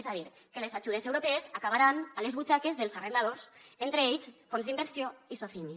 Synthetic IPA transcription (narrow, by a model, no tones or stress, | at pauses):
zaðiɾ | keleszaʒuðezewɾopɛezakaβaɾanalezβut͡ʃakezðelˠzarend̪aðosent̪ɾeeʎsfɔmzðimbəɾsioisofiɲi